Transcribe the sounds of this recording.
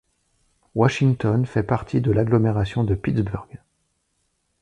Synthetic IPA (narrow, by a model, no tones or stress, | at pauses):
waʃiŋt̪ɔnfɛpaʁt̪ʰid̪əlaɡlɔmeʁasjɔ̃d̪əpit̪sbyʁɡ